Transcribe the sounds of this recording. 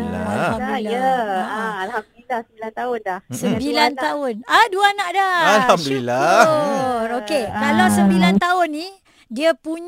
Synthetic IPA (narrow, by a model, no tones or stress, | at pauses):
aamblila | alhamblilasəmbilant̪aʊndahsəmbilant̪aʊnaduəanãʔdaalamblila | okekalawsəmbilant̪aʊnːi | diəpuɲ